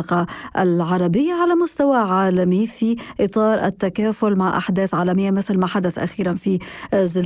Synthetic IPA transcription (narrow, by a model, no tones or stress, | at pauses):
qɑʔlʕɑɾˤɑbɪjːaʕalamʊst̪awaʕaːlamifiʔɨt̪ˤɑːɾˤʔɪ̰t̪ːakaːfʊlmaʕʔa̰ħd̪eːθʕaːlamɪjːamɪθlmaħad̪aθʔa̰xiːɾanfizɪl